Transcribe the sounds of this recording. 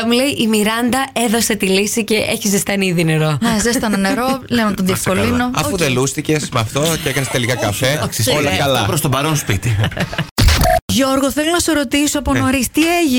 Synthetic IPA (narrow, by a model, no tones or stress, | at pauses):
ɐmuleiʔimiɾɐnd̪ɐe̞ðo̞se̞t̪ilisice̞ʔeçizist̪ɐniðine̞ɾo̞nezest̪ɐnɐneɾolenɐt̪onðiefko̞llino̞ɐfuðelust̪ice̞smɐft̪o̞ceekɐnest̪e̞likɐkɐfe̞ksiolɐkɐlɐpɾost̪obɐɾonspit̪i | ʝo̞ɾɣoθelonɐsoɾo̞t̪isoɐpono̞ɾist̪ieʝi